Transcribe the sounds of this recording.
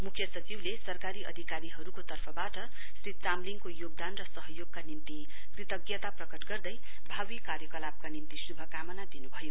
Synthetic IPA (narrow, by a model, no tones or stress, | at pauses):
mukʰjʌsʌt͡siwlesʌrkaɾiʔʌ̰d̪ʱikaɾiɦʌɾukot̪ʌrpʰʌbaʈʌ | srit̪̚t͡samliŋkojoɡ̚d̪anrʌsʌɦʌjoɡ̚kanimt̪i | pit̪ʌɡjʌt̪aprʌkʌʈɡʌrd̪ʌj | bʱawikarjʌkʌlab̚kanimt̪isubʱʌkamʌnad̪inubʱʌjo